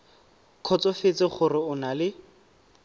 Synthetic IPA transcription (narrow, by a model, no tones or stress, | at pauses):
kʰɔt͡sɔfɪt͡sʼɪχʊrɪʊnalɪ